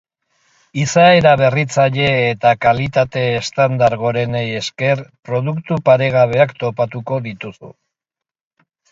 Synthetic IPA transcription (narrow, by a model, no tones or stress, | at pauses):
isae̞ɾaβe̞rit͡saʎe̞ːt̪akalit̪at̪e̞ːst̪and̪aɾɣo̞ɾe̞neje̞ske̞ɾpɾo̞ð̞ukt̪upaɾe̞ɣaβ̞e̞akt̪o̞pat̪uko̞ðit̪usṵ